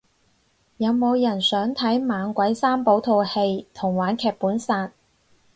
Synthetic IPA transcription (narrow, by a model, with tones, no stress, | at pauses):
jɐ˨˧wmo˨˧wjɐ˨˩nsœː˨˥ŋt̪ʰɐ˨˥jmaː˨˧nkʷɐ˨˥jsaː˥mpo˨˥wt̪ʰo˧whe˧jt̪ʰʊ˨˩ŋwaː˨˥nkʰɛː˨˧k̚puː˨˥nsaː˧t̚